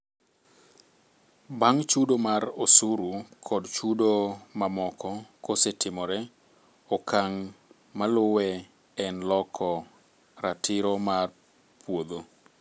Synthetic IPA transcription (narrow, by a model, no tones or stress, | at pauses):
baŋt͡ʃudomaɾosuɾukʰɔdt͡ʃudomamɔkʰɔkosetɪmɔɾɛ | okaŋ | malʊwɛ | ɛnlɔkʰɔ | ɾatɪɾɔmar | pwod̪o